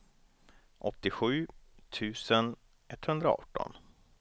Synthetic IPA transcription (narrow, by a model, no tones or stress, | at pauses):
ʔɔt̪ːɪɧʉ̟ːt̪ʰʉ̟ːsən | ʔɛt̪ːhɵnd̪ɾa̰ɔ̰ːʈːɔ̰n